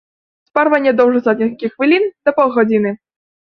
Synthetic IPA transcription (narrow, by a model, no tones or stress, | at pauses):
sparvɐnʲːɛd̪ɔwʐɐsad̪̚ʲnʲikʲixːvʲilʲind̪̥ɐpɔwɣɔd͡zʲinɨ